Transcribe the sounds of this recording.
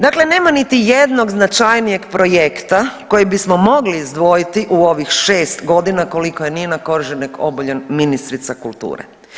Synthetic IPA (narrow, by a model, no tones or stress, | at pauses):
d̪akle̞ne̞ːmanit̪ijed̪no̞ɡznat͡ʃajnije̞ɡpɾo̞jekt̪ako̞jebismo̞mo̞ɡliːzd̪ʋo̞jit̪iʔuo̞ʋixʃe̞ːst̪ɡo̞d̪inako̞likojenienako̞ɾʒeniko̞̰boʎenminist̪ɾit̪sakulˠt̪ṵːɾḛ